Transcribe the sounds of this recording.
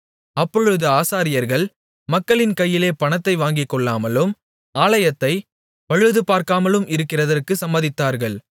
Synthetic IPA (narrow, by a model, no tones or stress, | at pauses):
ɐpːɔɻɯðɯaːsaːɾɪjɐɾɣɐɭ | mɐkːɐɭɪnkɐjːɪleːpɐɳɐt̪ːɐɪʋaːŋɡɪkːɔɭːaːmɐlɯm | aːlɐjɐt̪ːɐɪ | pɐɻɯðɯpaːɾkaːmɐlɯmɪɾɯkːɪrɐðɐrkɯsɐmbɐðɪt̪ːaːɾɣɐɭ